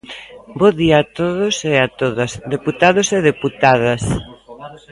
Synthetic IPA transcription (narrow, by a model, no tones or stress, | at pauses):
boðiaːt̪oðoseat̪oðɐsd̪eput̪aðoseðeput̪aðɐs